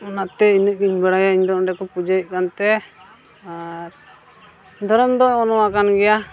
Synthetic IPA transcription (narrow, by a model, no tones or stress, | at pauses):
ɔnat̪ɛinəʔ̚niɲbɛɽajaiɲd̪ɔɖɛkɔpud͡ʒajəʔ̚kant̪ɛ | a | d̪ʱɔɾɔmd̪ɔːnɔwakanɡɛja